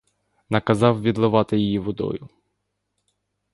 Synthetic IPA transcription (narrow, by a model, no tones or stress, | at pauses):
nɐkɐzɑwʋʲid̪lˠɪʋɑt̪ɪjijiʋɔd̪ɔ̰jʊ